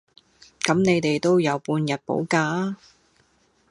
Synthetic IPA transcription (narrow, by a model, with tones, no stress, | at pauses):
kɐ˨˥mne˨˧jt̪e˨˩jt̪o˥wjɐ˨˧wpuː˧njɐ˨t̚po̰˨˥wkaː˧